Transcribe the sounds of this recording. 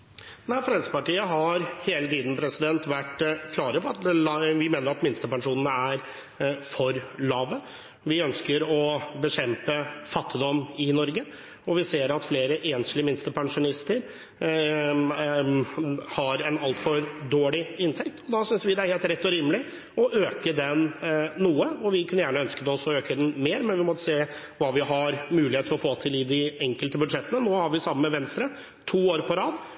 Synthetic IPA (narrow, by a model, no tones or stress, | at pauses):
næfɾɛnsə̥pɑʈiːəɦɑɾheːlət̪iːd̪n̩pʰɾɛsɪd̪ɛnt̪ʋæʈːkʰlɑːɾəpʰɔɑt̪ʋɪmeːnəɾɑt̪mɪnst̪əpɑŋʂuːnənəæɾ | fɔɾɭɑːʋə | ʋɪœnskəɾɔbəɕɛmpəfɑt̪ːɪd̪ɔmːɪnɔɾɡə | ɔʋɪseːɾɑt̪fleːɾəʔeːnslɪmɪnst̪əpʰɑŋʂʊnɪst̪əɾ | hɑɾɛnɑlt̪fɔɾd̪oːɭɪɪnt̪ʰɛk̚t̪ʰɔd̪ɑsʏnsʋɪd̪ɛæɾheːlt̪ɾɛt̪ːɔɾiːməlɪ | ɔʔøːkəd̪ɛnːuːəɔʋɪkʉnːəjæːɳəœnskəd̪ɛɔsɔøːkəd̪ɛnmeːɾmɛnʋɪmɔt̪ːəseː | ʋɑːʋɪɦɑɾmʉːlɪheːt̪ʰːlɔfoːt̪ʰɪlɪd̪ɪɛŋkəlt̪əbʉd̪ʂɛt̪ːənənoːhɑɾʋɪsɑmːəmɛʋɛnst̪ɾə | t̪ʰuːoːɾpʰɔɾɑːd̪